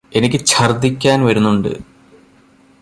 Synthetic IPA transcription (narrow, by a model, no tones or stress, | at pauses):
e̞nikʲːɨt͡ɕʰɐrd̪ikʲːaːnʋɐɾunːuɳɖɨ̰